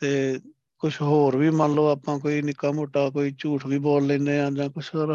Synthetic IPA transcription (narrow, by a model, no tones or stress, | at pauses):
t̪eː | kʊt͡ʃʰɦoːɾʋiːmənloːaːpãːk̬oːiːnɪkaːmoːʈaːkoːiːt͡ʃuːʈʰʋiːboːlːɛ̃ːneːãːd͡ʒãːkʊt͡ʃʰɾ